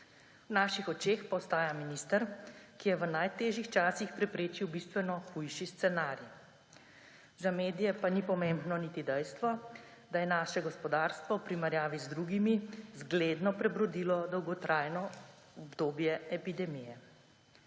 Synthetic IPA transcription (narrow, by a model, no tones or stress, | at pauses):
wnaːʃixɔt͡ʃeːxpaɔst̪aːjaminist̪əɾkijɛʋənajt̪eːʒjixt͡ʃaːsixpɾɛpɾeːt͡ʃiwbist̪ʋɛnɔxujʃist̪sɛnaːɾi | zameːd̪ijɛpanipɔmeːmbnɔnit̪id̪ɛjst̪ʋɔ | d̪ajɛnaːʃɛɡɔspɔd̪aːɾst̪ʋɔwpɾimɛɾjaːʋizd̪ɾuːɡimizɡleːd̪nɔpɾɛbɾɔd̪iːlɔd̪ɔwɡɔt̪ɾʔajnɔ | ɔbd̪oːbjɛɛpid̪ɛmijɛ